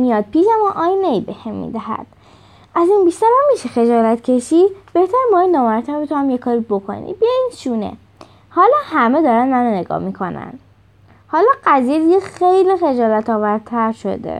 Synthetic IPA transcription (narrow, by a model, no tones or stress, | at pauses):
mijɒːd̪̚pʰiːʃæmɔʔɒːjnejbehemːḭːd̪æhæ̰d̪̥ | æzinbiʃt̪æɾæmmːiʃexe̞d͡ʒɒːlæt̪cʰe̞ʃib̥e̞ht̪ʰæɾbɒːjinɒːmæɾt̪ʰæɾbet̪ʰohæmjekʰɒːɾibo̞kʰo̰nḭbiinʃuːnḛ | hɒːlɒːhæme̞d̪ɒːɾænnænone̞ɡɒ̰ːmikʰo̞næ̰n | hɒːlɒːɢæziːjed̪iɡʲexejlixed͡ʒɒːlæt̪ʰɒːvæɾt̪ʰæɾʃo̞̰d̪ḛ